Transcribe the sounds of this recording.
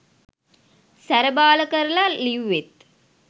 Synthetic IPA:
sæɾəbaːləkəɾəlaliwʋet̪̚

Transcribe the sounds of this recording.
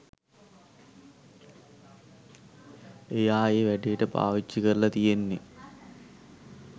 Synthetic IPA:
ejaːeːʋæɖijəʈəpa̰ːʋit͡ʃːikəɾlɐt̪ijenːe

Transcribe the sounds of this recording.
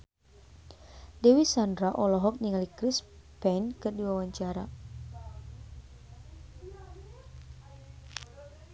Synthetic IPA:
dɛwisandɾaʔɔlɔɦɔk̚niŋalikɾispɛnkɨrdiwawaɲt͡ʃaɾa̰

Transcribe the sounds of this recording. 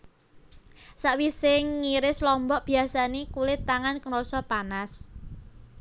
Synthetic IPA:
saʔwisɪŋːiɾɪslɔmbɔʔb̥i̤asanekulɪt̪aŋankəɾɔsɔpanas

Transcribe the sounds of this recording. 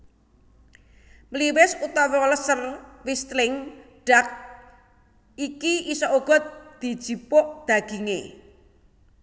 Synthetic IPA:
mliwɪsut̪ɔwɔləsərwist̪lɪŋ | ɖ̥ak̚ | ikiisɔʔoɡ̥ɔ̤t̪̚d̪̥i̤d̥ʒ̥i̤pʊʔd̪̥a̤ɡ̥iŋe

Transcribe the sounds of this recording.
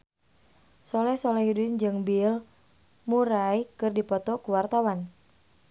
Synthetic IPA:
sɔlɛsɔlɛɦidund͡ʒɨŋbil | muɾajkɨrdipɔt̪ɔkuwart̪awan

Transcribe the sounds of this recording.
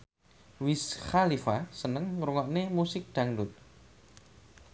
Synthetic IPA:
wisxalifasənəŋɾuŋɔʔnemusɪk̚d̪̥a̤ŋdʊt̪̚

